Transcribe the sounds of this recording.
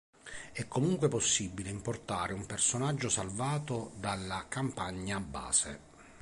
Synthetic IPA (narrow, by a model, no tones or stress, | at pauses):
ɛkːomuŋkwepɔsːibːileimport̪aːɾɪumpersonad͡ʒːʊsalvaːt̪ʊd̪alːakampaɲːabːa̰ːsɪ̰